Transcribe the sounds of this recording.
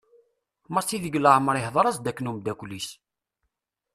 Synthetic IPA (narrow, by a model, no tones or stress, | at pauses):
məɾsiðəɡləʕməɾˤihðˤɑɾˤɑsd̪ækːnumd̪ækʷlis